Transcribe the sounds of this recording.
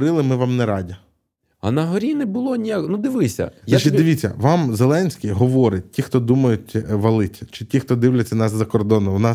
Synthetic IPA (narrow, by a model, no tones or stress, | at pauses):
ɾɪlˠɪmɪʋɑmnɛɾɑdʲi | ɐ̰nɐɦɔɾʲinɛbʊlˠɔnʲijaknud̪ɪʋɪsʲɐ̰ʃt͡ʃɛd̪ɪʋʲit͡sʲːɐ̰ʋɑmzelˠɛnʲsʲkʲɪjɦɔʋɔɾɪt̚ʲtʲixt̪ɔd̪umɐjʊtʲʋɐlˠɪtʲt͡ʃɪtʲixt̪ɔd̪ɪʋlʲɐt͡sʲːɐnɑszɐkɔrd̪ɔnːɔʋnɑ